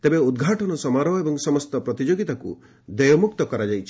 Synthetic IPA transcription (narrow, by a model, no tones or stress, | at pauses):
t̪ebeud̪ɡʱaʈɔnɔsɔmaɾɔebɔŋsɔmɔst̪ɔpɾɔt̪id͡ʒoɡit̪akṵ | d̪ejɔmukt̪ɔkɔɾad͡ʒajt͡ʃʰi̥